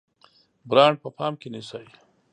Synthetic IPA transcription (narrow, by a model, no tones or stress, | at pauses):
bɾɑːɳɖ̚pəpʰɑːmkenisaj